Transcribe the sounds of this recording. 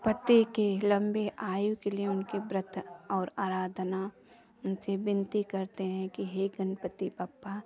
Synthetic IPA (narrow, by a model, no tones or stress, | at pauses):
pɐt̪ikelɐ̃mbeʔaːjukelieʊnkibɾət̪ʰɔːɾaːɾaːd̪ʱna | ʊnsebɪ̃nt̪ikɐɾt̪eɦɛ̃kiɦeːɡənpət̪ipaːpːa